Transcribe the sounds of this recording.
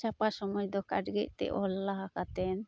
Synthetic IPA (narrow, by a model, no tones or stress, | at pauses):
t͡ʃapaʃɔmɔjd̪ɔka̰ɖɡɛʔ̚t̪ɛ̰ʔɔ̰lːaɦakat̪ɛn